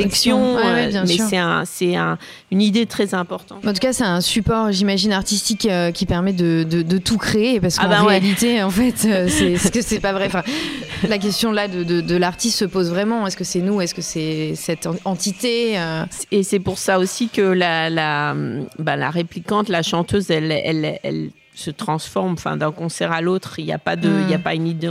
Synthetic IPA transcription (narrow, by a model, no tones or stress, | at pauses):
ɛksjɔ̃wɛwɛbjɛ̃smɛsʁɛɛ̰̃sɛɛ̃ | ynid̪et̪χɛzɛ̃pɔʁt̪ɑ̃t̪ɑ̃t̪ukasɛt̪ɛ̃sypɔʁʒimaʒinaʁt̪ist̪ikøkʲipɛʁmɛd̪əd̪əd̪ət̪ukχeːpaʁsə̥akɑaʁealit̪eɑ̃fɛt̪øsɛskəsɛpavʁɛɑ̃fɛ̃lak̬ʲɛst̪jɔ̃lad̪əd̪əd̪əlaʁt̪ist̪səpozvʁɛmɑ̃ɛskəsɛnuɛskəsɛsɛt̪ɑ̃t̪it̪eøːsɛpuʁsaosikəlalambala̰ʁeplikɑ̃t̪laʃɑ̃t̪øzɛlɛ̰lɛ̰l | sət̪χɑ̃sfɔʁmɑ̃fɛ̰̃d̪ɛ̃kɔ̃sɛʁalot̪χilja̰pad̪əiljapaynid̪e